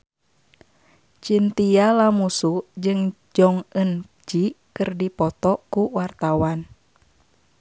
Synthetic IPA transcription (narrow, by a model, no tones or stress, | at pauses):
t͡ʃint̪ialamusud͡ʒɨŋ | d͡ʒɔŋən | d͡ʒikɨrdipɔt̪ɔkuwart̪awan